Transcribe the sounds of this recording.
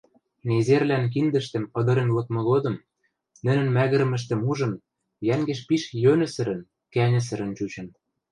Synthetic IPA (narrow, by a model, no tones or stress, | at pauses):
nezerlænk̬ind̪ɘ̆ʃt̪ɘ̆mɤ̆d̪ɤ̆ɾenlɤ̆kmɤ̆ɣod̪ɤ̆m | nɘ̆nɘ̆nmæɣɘ̆ɾɘ̆mɘ̆ʃ̬t̪ɘ̆muʒɤ̆n | jæŋɡĕʃpiʃjønɘ̆sɘ̆ɾɘ̆n | kænʲɘ̆s̬ɘ̆ɾɘ̆nt͡ɕut͡ɕɤ̆n